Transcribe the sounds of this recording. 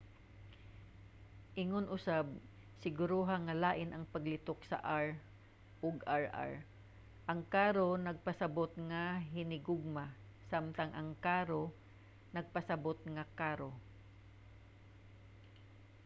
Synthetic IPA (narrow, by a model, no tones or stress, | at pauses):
ʔɪŋonʔʊsab̚ | sɪɡʊɾoɦaŋːɐlaːʔɪnʔɐŋpɐɡlɪt̪oksɐ̰ʔaɹ | ʔoɡaɹa̰ɹ | ʔɐŋkaːɾonɐɡ̚pɐsɐbot̪̚ŋaɦɪnɪɡoɡ̚ma | samt̪aŋʔɐŋkaːɾo | nɐɡ̚pɐsɐbot̪̚ŋakaːɾo